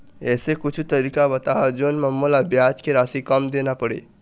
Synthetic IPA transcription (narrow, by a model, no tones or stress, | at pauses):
esekut͡ʃʰut̪əɾikabət̪aɦɔd͡ʒonməmːolabjat͡ʃkeɾasikəmd̪enapəɽḛ